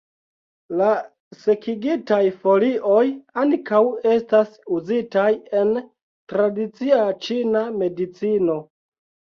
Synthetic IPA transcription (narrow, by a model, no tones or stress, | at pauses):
la | se̞kʰiɡitajfo̞liʔo̞jankawe̞stasuzitaje̞n | tɾadit͡siat͡ʃiname̞dit͡sino̞